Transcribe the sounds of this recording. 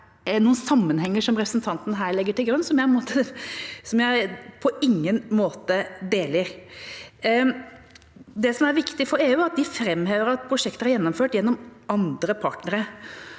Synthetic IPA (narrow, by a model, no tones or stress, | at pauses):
nuːənsɑmːənhɛŋːəʂɔmɾɛpɾəsənt̪ʰɑnt̪nɦæːɭɛɡːəʈɪlɡɾʉnːsɔmjæɪpʰɔnmoːt̪əsɔmjæɪpʰɔɪŋːənmoːt̪əd̪eːləɾ | d̪ɛsɔmæɾʋɪkt̪ɪfɔɾeːʉːæɾɑt̪̚d̪ɪfɾɛmːɦeːʋəɾɑt̪̚pʰɾʊʂɛkt̪əhæɾjɛnːɔmføːʈjɛnːɔmɑnd̪ɾəpʰɑʈnəɾə